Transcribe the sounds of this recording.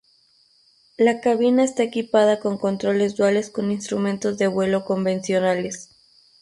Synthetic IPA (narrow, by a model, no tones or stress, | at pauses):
lakaβinaest̪aekipaðako̞ŋko̞nt̪ɾo̞le̞zd̪wale̞sko̞ninst̪ɾumẽnt̪o̞zðe̞βwe̞lo̞ko̞mbe̞nsjo̞nale̞s